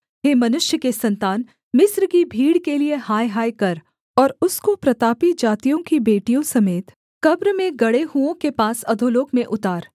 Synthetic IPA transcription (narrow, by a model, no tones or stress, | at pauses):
ɦeːmɐnʊʃjəkesɐ̃nt̪aːn | mɪsɾkibʱiːɽkeliehaːjɦaːjkɐɾ | ɔːɾʊskopɾɐt̪aːpid͡ʒaːt̪ijõkibeːʈijõsɐmeːt̪ | kɐbɾmẽɡɐɽeɦuõkepaːsɐd̪ʱoloːkmẽʔʊt̪aːɾ